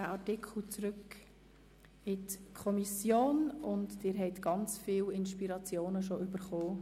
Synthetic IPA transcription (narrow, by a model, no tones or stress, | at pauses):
æɑɾtɪkʰl̩t͡sɾʏk | ɪtkʰɔmisjoːnʊntd̥ɪɾɦɛɪt̪ɡ̥ɑnt͡sfiːlɪnʃpiɾɑt͡sjoːnəʃ̬ɔʔʏb̥əɾχoː